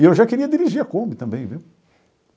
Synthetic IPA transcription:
iewʒakeɾiɐd̪iɾiʒiɾɐkõmbɪt̪ɐ̃mbẽj̃viw

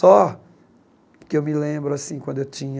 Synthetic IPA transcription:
ɔ | kɪewmilẽbɾʊasĩkwɐ̃d̪ʊewt͡ʃĩɲɐ

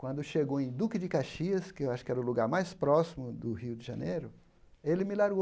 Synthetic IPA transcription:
kwɐ̃nd̪ʊʃeɡowẽj̃d̪ukɪd͡ʒɪkaʃiɐskɪewaʃʊ̥kɪɛɾɐʊluɡaɾmajspɾɔsimʊd̪ʊhiwd̪ɪʒɐ̃nejɾʊ | elɪmɪlaɾɡo

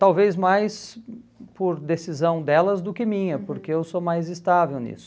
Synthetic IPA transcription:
t̪awvezmajs | poɾd̪esizɐ̃w̃d̪ɛlɐzd̪ʊkɪmĩɲɐpoɾkeewsomajzɪst̪avewnḭsʊ̥

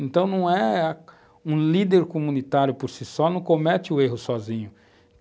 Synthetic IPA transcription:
ẽnt̪ɐ̃w̃nɐ̃w̃ɛ | ũlid̪eɾkomũnit̪aɾjʊpoɾsisɔnɐ̃w̃komɛt͡ʃɪʊeɦʊsɔzĩɲʊ

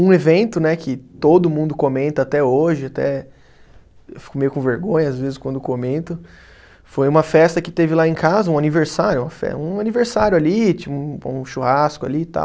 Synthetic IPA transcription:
ũevẽnt̪ʊnɛkʰɪt̪od̪ʊmũnd̪ʊkomẽnt̪ɐat̪ɛoʒɪat̪ɛ̰ | ewfi̥kʊmejʊkõveɾɡõɲɐazvezɪskwɐ̃nd̪ʊkomẽnt̪ʊ | fojũmɐfɛst̪ɐkɪt̪evɪlaẽkazɐũaniveɾsaɾjʊũmɐfɛ̰ũaniveɾsaɾjʊalit͡ʃiṵ̃ũʃuhaskʊa̰lit̪a̰w

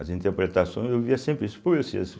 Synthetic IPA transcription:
ɐzĩnt̪eɾpɾet̪asõj̃zewviɐsẽmpɾɪisʊ̥povesḭɐ̰s

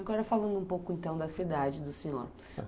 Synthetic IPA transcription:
aɡɔɾɐfalɐ̃nd̪ʊũpowkʊẽnt̪ɐ̃w̃d̪ɐsid̪ad͡ʒɪd̪ʊsẽɲo̰ɾ

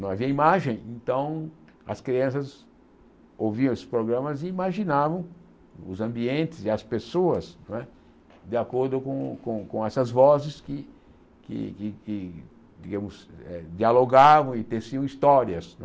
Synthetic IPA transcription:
nɐ̃w̃aviɐimaʒẽj̃ẽnt̪ɐ̃w̃ | ɐ̰skɾiɐ̃s̬ɐz | owviɐ̃esɪ̥spɾoɡɾɐ̃mɐzɪimaʒinavɐ̃w̃ | ʊzɐ̃mbiẽnt̪ɪzɪɐspesoɐsnɛ | d̪ɪakoɾd̪ʊkõkõkõɛsɐzvɔzɪskɪ | kɪ̰kɪkɪ | d͡ʒiɡɐ̃mʊzɛ̰d͡ʒialoɡavɐ̃w̃ɪt̪esiɐ̃w̃ist̪ɔɾiɐsnɛ

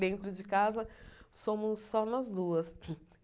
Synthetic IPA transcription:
d̪ẽnt̪ɾʊd͡ʒɪkazɐsõmʊsːɔnɐzd̪uɐs

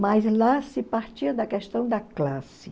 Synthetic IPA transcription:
majzlasɪpaɾt͡ʃiɐd̪ɐkɛʃt̪ɐ̃w̃d̪ɐklasɪ

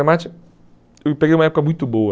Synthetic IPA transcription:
emat͡ʃɪ | ewpeɡejũmɐɛpʊkɐmũj̃t̪ʊboɐ

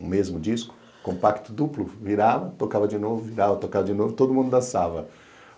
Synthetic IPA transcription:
ũmezmʊd͡ʒiskʊ̥ | kõmpakt̪ʊd̪uplʊviɾavɐt̪okavɐd͡ʒɪnovʊviɾavɐt̪okavɐd͡ʒɪnovʊt̪od̪ʊmũnd̪ʊdasavɐ

